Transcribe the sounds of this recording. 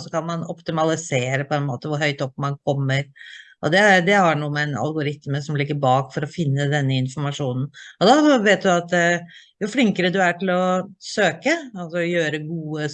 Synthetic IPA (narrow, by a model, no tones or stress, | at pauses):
sɔkʰɑnmɑnɔpt̪ɪmɑlɪseːɾəpʰɔɛnmoːt̪əʋʊɾɦœʏt̪ɔpːmɑnkʰɔmːəɾʔɔd̪ɛd̪ɛhɑɳuːəmɛnɑ̰lɡʊɾɪt̪məsɔmlɪɡːəɾbɑːkfɔɾɔfɪnːəd̪ɛnːəɪnfɔɾmɑʂuːnn̩ɔd̪ɑʋeːt̪̚d̪ʉɑt̪ | jʊflɪŋkəɾəd̪ʉæʈɪlɔsøːkəɑlsɔjøːɾəɡuːə